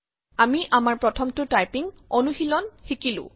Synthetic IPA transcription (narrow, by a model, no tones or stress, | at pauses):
amiʔamaɹpɹɔtʰɔmtʊtajpiŋ | ɔnuxilɔnxikilʊ̰̃